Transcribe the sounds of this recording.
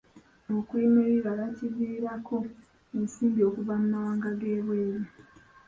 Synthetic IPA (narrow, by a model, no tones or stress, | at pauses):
mokwiːmeβiβalaciviːɾakʰo̞ | ensiːmbio̞kuvamumawaːŋɡaɡeːβwe̞ːɾe